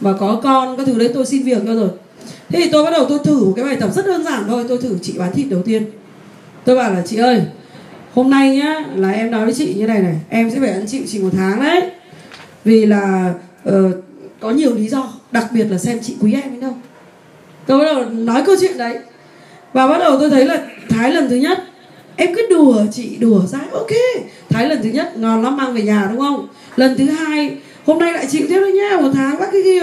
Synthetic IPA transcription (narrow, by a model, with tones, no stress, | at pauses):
maː˨˩kɔ˨˦kɔ˧nkɔ˨˧˦t̪ʰɨ˨˧˩ɗə˨˦jt̪o˧jsi˧nvi˨˩ək̚a˧zo˨˩j | t̪ʰe˨˦t̪ʰi˨t̪o˧jɓa˦˥t̚ɗə˨˩wt̪o˧jt̪ʰɨ˧˩mo˨˩kaː˨˦jɓaː˨˩jt̪ə˨˩p̚zə˦˥t̚ʔəː˧nzaː˧˩nt̪ʰo˧jt̪o˧jt̪ʰɨ˧˩t͡ɕḭ˧˨ɓaː˨˦nt̪ʰḭ˧˨t̚ɗə˨˩wt̪i˧ən | t̪o˧jɓaː˧˩wlaː˨˩t͡ɕḭ˧˨ʔəː˧˩j | ho˧mna˧jɲaː˨˦laː˨˩ʔɛ˧mnɔ˨˦jvə˨˦jt͡ɕḭ˧˨ɲɨ˧na˨˩jna˨˩jʔɛ˧msɛ̰˧˥faː˧˩jʔa˧˩nt͡ɕḭ˧˨wt͡ɕï˨˩ŋmo˨˩t̚t̪ʰaː˨˦ŋɗə˨˦ | vi˨˩laː˨˩ʔəː˨˩kɔ˨˦ɲi˨˩əwli˨˦zɔ˧ɗa˨˩k̚ɓi˨˩ət̚laː˨˩sɛ˧mt͡ɕḭ˧˨kwi˨˦ʔɛ˧mʔə˨˦jɗə˧w | t̪o˧ɓa˦ɗə˨˩nɔ˨˦jkə˧wt͡ɕwḭ˧˨ənɗə˨˦j | vaː˨˩ɓa˦˥t̚ɗə˨˩wt̪o˧jt̪ʰə˨˦jlaː˨˩t̪ʰaː˨˦jlə˨˩nt̪ʰɨ˨˦ɲə˦˥t̚ | ʔɛ˧mki˦˥t̚ɗu˨˩ət͡ɕḭ˧˨ɗu˨˧˩əsaː˨˧jʔo˨˩ke˧t̪ʰaː˨˦jlə˨˩nt̪ɨ˨˦ɲə˦˥t̚ŋɔ˨˩nla˨˦˥maː˧ŋve˨˩ɲaː˨˩ɗʊ˨˦ŋ͡mxə˧wŋ͡m | lə˨˩nt̪ʰɨ˨˦ɦaː˧j | ho˧mna˧jla̰ː˧˨jt͡ɕḭ˧˨wt̪ʰi˦˥ət̚ɗə˨˦ɲaː˨˧m̚˨˩t̪ʰaː˨˦ŋɓaː˦˥t̚kɨ˨˦ki˧